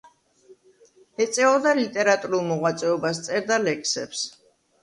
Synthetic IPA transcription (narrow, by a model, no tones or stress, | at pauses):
ɛt̪sʼɛɔd̪alit̪ʼɛɾat̪ʼuɾulˠmɔʁwat̪sʼɛɔbast̪sʼɛɾd̪alɛkʰsɛ̰ps